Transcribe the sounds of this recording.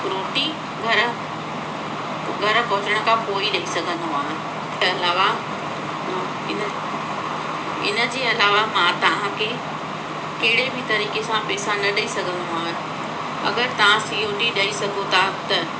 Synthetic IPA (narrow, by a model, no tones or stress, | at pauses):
ɾoːʈi | ɡʱɐɾ | ɡʱɐɾ̆kɐʊt͡ɕəɽ̃̆kʰãpoːiɗɐisɐɡʱə̃nd̪oaːɦẽ | ɐlaːʋã | ɪn | ɪ̰nə̆d͡ʑeːɐlaːʋamãt̪ɐʋ̤ãkʰe | kɐɦɪɽebʱɪt̪ɐɾiːkesãpɛːsãnɐɗɐisɐɡʱə̃nd̪oaːɦɪ̃ | ɐ̰ɡəɾt̪ɐʋ̤ãsiːoːʈiɗɐisɐɡʱot̪ʰat̪ɐ